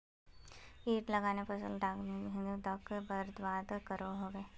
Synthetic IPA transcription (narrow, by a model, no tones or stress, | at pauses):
iːʈləɡaːnepəsə̰lɖaːkniɦɪ̃nd̪ud̪akbəɾd̪ʋaːd̪kəɾoɦoːʋeː